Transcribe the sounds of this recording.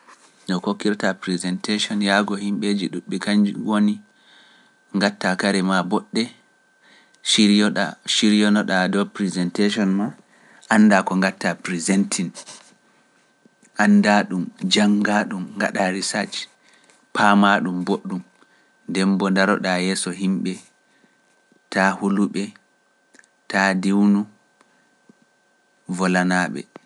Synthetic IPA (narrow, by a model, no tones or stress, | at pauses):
nɔkokːiɾtapɾizɛnteʃɔnjaɡɔhimɓed͡ʒiɗuɓːikand͡ʒwoni | ŋɡatːakaɾɛmabɔɗːɛ | ʃiɾɔɗa̰ʃiɾjɔnɔɗadɔpɾizɛnteʃɔnma | ʔanːdakɔŋɡatːapɾizɛntʰin | ʔandaɗumd͡ʒaŋɡaɗumŋɡa̰ɗaɾisad͡ʒ | pʰamaɗumboɗːum | ndɛmbɔndaɾɔ̰ɗajɛːsɔɦimɓɛ | tahuluɓɛ | tadiwnu | vɔlanaːɓɛ̰